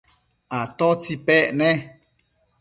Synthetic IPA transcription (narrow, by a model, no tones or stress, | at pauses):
at̪ot͡sipɛʔnẽ